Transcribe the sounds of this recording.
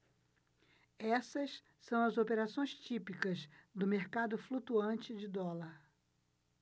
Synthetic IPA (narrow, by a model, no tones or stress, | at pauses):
ɛsɐs | sɐ̃w̃ɐzopeɾasõj̃st͡ʃipikɐzd̪ʊmeɾkad̪ʊflut̪uɐ̃t͡ʃɪd͡ʒɪd̪ɔlɐɾ